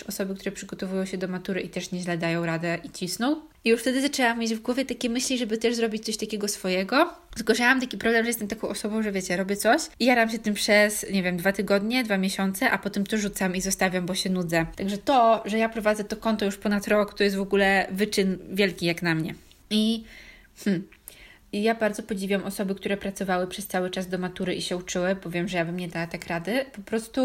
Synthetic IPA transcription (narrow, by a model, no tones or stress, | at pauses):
ɔsɔbɘkt̪uɾɛpʂɘɡɔt̪ɔvujɔ̃w̃ɕɛd̪ɔmat̪uɾɘʔit̪ɛʂɲɛʑlɛd̪ajɔ̃w̃ɾad̪ɛʔit͡ɕisnɔ̃w̃ | ʔijuʂft̪ɛd̪ɘzat͡ʂɛwamʲːjed͡ʑvɡwɔvʲjɛt̪akʲɛmɘɕlʲiʐɛbɘt̪ɛʐzɾɔbʲit͡ɕt̪sɔɕʲt̪akʲɛɡɔsfɔjɛɡɔzɡwɔʐawamt̪akʲipɾɔblɛmʐɛjɛst̪ɛmt̪akɔ̃w̃ʔɔsɔbɔ̃w̃ʐɛvʲɛt͡ɕɛɾɔbʲjɛt̪sɔɕijaɾamɕ̬ɛt̪ɘmpʂɛsɲɛvʲjɛmd̪vat̪ɘɡɔd̪ɲɛd̪vamʲɛɕɔnt̪sɛʔapɔt̪ɛmt̪ɔːut̪samizɔst̪avʲjambɔɕɛnud̪zɛt̪aɡʐɛt̪ɔʐɛjapɾɔvad̪zɛt̪ɔkɔnt̪ɔjuʂpɔnat̪ɾɔkt̪ɔjɛst̪vɔɡulɛvɘt͡ʂɘnvʲjɛlkʲijaknamɲɛ̰ | i | mm̩ | jabaɾd̪zɔpɔd͡ʑivʲiwamʔɔsɔbɘkt̪uɾɛpɾat̪sɔvawɘpʂɛst̪sawɘt͡ʂazd̪ɔmat̪uɾɘiɕɛut͡ʂɘwɘbɔvʲjɛmʐɛjabɘmɲɛd̪awat̪akɾad̪ɘpɔpɾɔst̪u